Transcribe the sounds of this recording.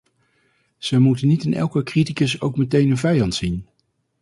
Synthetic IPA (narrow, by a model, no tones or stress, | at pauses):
z̥əjmutənːitɪnɛ̰lˠkəkritikəsowkmətejnənvɛjɑntsin